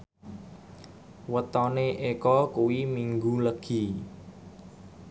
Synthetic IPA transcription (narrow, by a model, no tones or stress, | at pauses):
wət̪ɔneʔekɔkuwimiŋɡuləɡ̥i̤